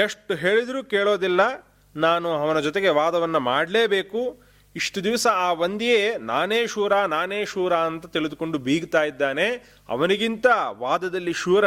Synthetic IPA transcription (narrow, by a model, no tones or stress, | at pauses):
eʂʈuɦe̞ːɭid̪ɾuːkeːɭo̞ːd̪ilːɐ | naːnuɐʋɐnɐd͡ʒɔt̪eɡe̞ʋaːd̪ɐʋɐnːɐmaːɖleːbe̞ːku | iʂʈud̪iʋɐsɐaːʋɐnd̪ijeːna̰ːneːʃuːɾaːnaːneːʃuːɾaːɐnt̪ɐt̪iɭid̪uko̞ɳɖubʱiːɡt̪aːjid̪ːaːne̞ | ɐ̰ʋɐniɡint̪ɐʋaːd̪ɐd̪ɐlːiʃuːɾɐ